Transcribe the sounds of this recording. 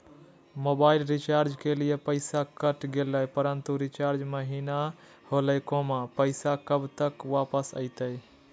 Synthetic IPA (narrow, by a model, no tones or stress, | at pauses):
mobailɾit͡ʃaɾd͡ʒkelijepəɪsakəʈɡeləjpəɾənt̪uɾit͡ʃaɾd͡ʒməɦina | holəjkõmepəɪsakəbt̪əkwapəsə̰ɪt̪əj